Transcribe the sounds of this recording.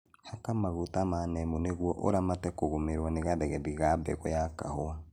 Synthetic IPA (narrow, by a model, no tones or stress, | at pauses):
hakamaɣotamanɛmoneɣwɔʔo̰ɾamatɛkoɣomeɾwaneɣaðɛɣɛðiɣabɛ̰ɣɔjakahoa